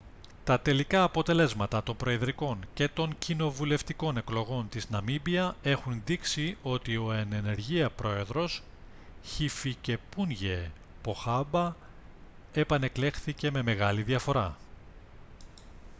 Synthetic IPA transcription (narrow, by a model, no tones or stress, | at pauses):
t̪ɐt̪e̞likɐːpo̞t̪e̞le̞zmɐt̪ɐt̪o̞mbɾo̞eðɾiko̞nce̞t̪o̞ŋcino̞vule̞ft̪iko̞ne̞klo̞ɣo̞nt̪iznɐmibiɐe̞xunðiksio̞t̪io̞ene̞ne̞ɾʝiɐpɾo̞e̞ðɾo̞s | çifice̞punʝe̞ | po̞xɐbɐ | e̞pɐne̞kle̞xθice̞me̞me̞ɣɐliðiɐfo̞ɾɐ̰